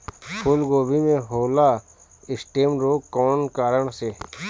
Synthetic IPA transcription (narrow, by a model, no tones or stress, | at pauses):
pʰʊlɡoːbʱimẽɦoːla | ɪsʈeːmɾoːkkːɔːnkaːɾəɳseː